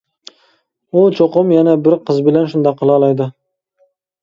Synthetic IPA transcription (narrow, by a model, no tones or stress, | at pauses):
ʊt͡ʃʰoqɨmjanabɪɾqʰɨzbɪlanʃʊnd̪ɑqʰːɨlˠɑlˠɑjd̪ɪ